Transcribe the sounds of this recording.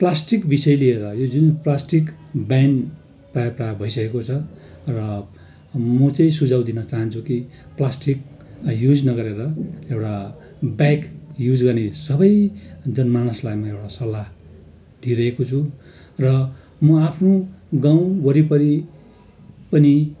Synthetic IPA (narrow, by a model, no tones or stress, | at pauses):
plasʈikbisʌjlieɾʌjod͡zunplasʈikban | prajʌprajbʱʌisʌkekot͡sʰʌrʌ | mʌt͡sʌĩsud͡zʱaw̃d̪inʌt͡saɦʌnt͡sʰuki | plasʈik̚ | jud͡znʌɡʌɾeɾʌewʈa | bajkjud͡zɡʌrnesʌbʌjd͡zʌnmanʌslajmaewʈasʌla | d̪̥ʱiɾʌɦekot͡sʰurʌ | mʌapʰnoɡãw̃wʌɾipʌɾi | pʌni